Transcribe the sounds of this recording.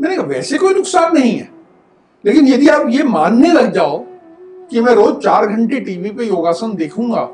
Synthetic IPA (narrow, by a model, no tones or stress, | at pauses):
mɛ̃ːnekaːʋɛːsekoːinʊksaːnːɐɦĩɦɛ̰ː | leːkɪnjɐd̪ʱiaːpjemaːnːelɐɡ̚d͡ʒaːo | kimɛ̃ːɾoːzt͡ʃaːɾɡʱə̃ɳʈeʈiːʋipejoːɡaːsənd̪eːkʰũːŋɡa̰ː